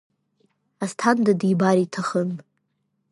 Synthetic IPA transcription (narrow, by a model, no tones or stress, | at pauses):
astʰandadibaɾitʰaχən